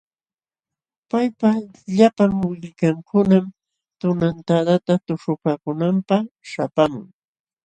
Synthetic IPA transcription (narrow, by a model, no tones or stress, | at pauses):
pajpa | ʎapaŋwɪʎkaŋkʊnam | t̪ʊnant̪ad̪at̪at̪ʊʂʊpaːkʊnampaχʃapamʊ̰ŋ